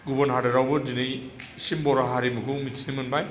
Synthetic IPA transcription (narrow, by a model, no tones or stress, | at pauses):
ɡubɐnɦadɯɾawbɯdinɯjsimbɔɾaɦaɾimukʰɯwmitʰinimɯnbaj